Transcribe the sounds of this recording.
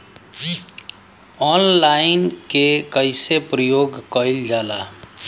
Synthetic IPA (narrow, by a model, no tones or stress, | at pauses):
ɔːnlaːɪnkekəɪsepɾəjoːɡkəɪld͡ʒaːlaː